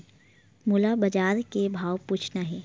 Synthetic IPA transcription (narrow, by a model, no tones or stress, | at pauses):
mʊlabɐd͡ʒaːɾkebʱaːwpuːt͡ʃʰnaɦɛː